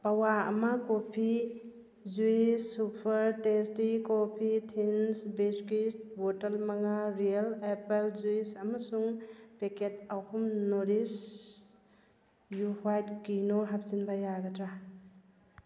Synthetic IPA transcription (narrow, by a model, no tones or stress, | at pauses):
pawaɐ̰mɐkopʰi | zuisːupʰɐɾtestikopʰitʰinsbeskistbotɐlmaŋaɾijalepelzuisɐmɐsuŋpeket̚ahumnoɾis | juhwajtkinoɦap̚zinbɐjaɡɐtɾa